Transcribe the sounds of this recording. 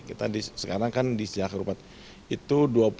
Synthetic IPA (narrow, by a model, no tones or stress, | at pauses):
kit̪a̰disəkaɾaŋkandisiakəɾupat̪̚ | it̪uduap